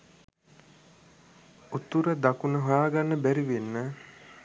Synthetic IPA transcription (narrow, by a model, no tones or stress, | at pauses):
ut̪uɾəd̪akunəɦojaːɡanːəbæɾiʋenːə